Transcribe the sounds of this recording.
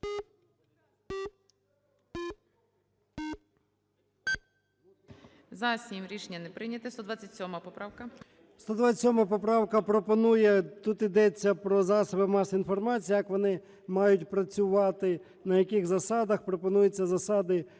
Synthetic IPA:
zɐsʲimɾʲiʃenʲɐnɛpɾɪnʲɐt̪ɪst̪ɔd̪ʋat͡sʲːɐtʲsʲɔmɐpɔpɾɑwkɐ | st̪ɔd̪ʋat͡sʲɐtʲsʲɔmɐɐpɔpɾɑwkɐpɾɔpɔnujɛt̪ut̪id̪ɛt͡sʲːɐpɾɔzɑsɔbɪmɑsinfɔrmɑt͡sʲijːjɐkʋɔnɪ | mɑjʊtʲpɾɐt͡sʲʊʋɑt̪ɪ | nɐjɐkɪxzɐsɑd̪ɐxpɾɔpɔnujɛt͡sʲːɐzɐsɑd̪ɪ

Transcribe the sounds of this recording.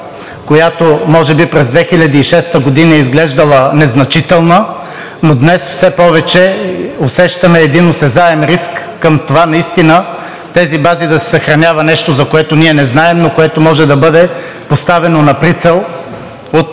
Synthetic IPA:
kojat̪omɔʒɛbipɾɛzd̪vɛxilʲɐd̪iːʃɛst̪əɡod̪inɐɛizɡlɛʒd̪ɐlˠənɛznɐt͡ʃit̪ɛlˠnə | nod̪nɛsfsɛpɔvɛt͡ʃɛosɛʃt̪ɐmɛːd̪inosɛzaɛmɾiskːəmt̪ovanɐist̪inə | t̪ɛzibazid̪ɐsɛ̥sɐxɾɐnʲjavɐnɛʃt̪ozɐkoɛt̪oniɛnɛznaɛmnokoɛt̪omɔʒɛd̪ɐbɤd̪ɛ | post̪avɛnonɐpɾit̪sɛlˠ | ot̪

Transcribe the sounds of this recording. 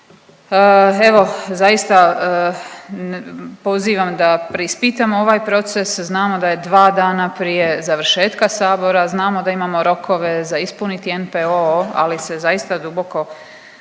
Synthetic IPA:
e̞ʋo̞zajist̪a | po̞ziːʋamd̪apɾeispit̪amoo̞ʋaːjpɾo̞t̪se̞sznaːmo̞d̪aje̞d̪ʋaːd̪aːnapɾije̞zaʋɾ̩ʃe̞ːt̪kasaːbo̞ɾaznaːmo̞d̪aimaːmo̞ɾo̞kʰo̞ʋe̞zaispunit̪ienpeoa̰lise̞zajist̪ad̪ubo̞ko

